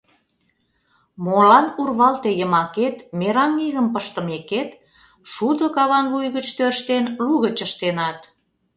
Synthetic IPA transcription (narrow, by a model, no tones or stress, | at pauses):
molɑnurβɑlt̪ejəmɑket̪meɾɑŋiɣəmpəʃt̪ə̆meket̪ | ʃud̪okɑβɑnɣujɣət͡ɕt̪øʃt̪enluɣət͡ɕəʃt̪enɑt̪